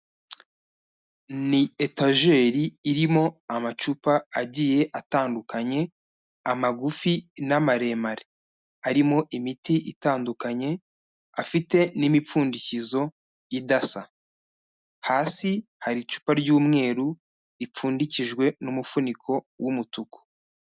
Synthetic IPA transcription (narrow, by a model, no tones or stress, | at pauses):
nietaʒe̞ːɾiːɾimo̞amat͡ʃupaaɟiːje̞ʔataːndukʰaɲe̞ | amaɡufinamaɾe̞maɾe | aɾimo̞ʔimitiʔitaːndukaɲe̞ | afite̞nimip͡fuːndicizo̞ | jidasa | haːsihaɾit͡ʃu̥paɾɟuːmŋe̞ːɾu | ɾip͡fuːndiciʒɡwe̞numufunikʰo̞ | wumutuku̥